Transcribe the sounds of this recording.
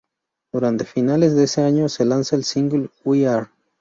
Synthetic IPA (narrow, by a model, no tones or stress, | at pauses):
d̪̥uɾant̪efinale̞zðeeseaɲoselansaelsiŋɡlwiaɾ